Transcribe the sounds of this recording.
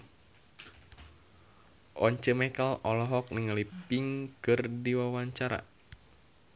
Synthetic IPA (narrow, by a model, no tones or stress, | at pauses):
ʔɔɲt͡ʃəmɛkalʔɔlɔɦɔk̚niŋalipiŋkɨrdiwawaɲt͡ʃaɾa̰